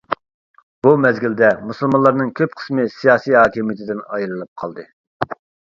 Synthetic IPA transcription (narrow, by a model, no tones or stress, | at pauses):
b̥umɛzɡʲild̪ɛmusɨlˠmɑnlˠɑɾnɨŋkʲʰøpqʰə̥smɨsijɑːsijɦɑːkʲimijit̪ʰɪd̪ɪnɑjɾɨlˠɨp̚qʰɑ̰lˠd̪ɨ